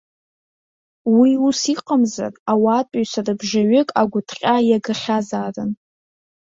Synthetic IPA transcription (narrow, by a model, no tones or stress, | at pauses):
wiusiqʼəmza̰rawaːtʼaɥsarɨbʒaɥɪkʼaɡʷʊtʰqʲʼajaɡɨχʲazaːrɨn